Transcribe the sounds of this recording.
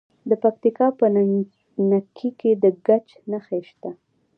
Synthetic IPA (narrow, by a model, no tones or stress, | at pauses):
d̪əpak̚t̪ikɑpə | nakʰiked̪əɡat͡ʃ | naxeʃt̪a